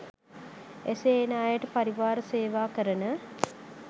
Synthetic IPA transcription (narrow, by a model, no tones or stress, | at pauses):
eseːnaːjəʈəpaɾiʋaːɾəseːʋaːkəɾənə